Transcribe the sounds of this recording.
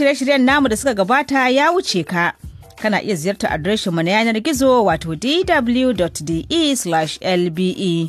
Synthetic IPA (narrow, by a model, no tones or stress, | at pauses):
ʃɪɐʃɪɽɪjɐnːaːmudasʊkaɡɐbaːtajaːwʊt͡ʃeːkaʔ | kɐnaːʔɪjazɪjɐrta̰ʔa̰dɾɛːʃɪmːunajaːnɐrɡʲɪzoːwaːtoːdiːdɐbʊljudɔtdiːʔiːslaʃʔɛlbiːʔiː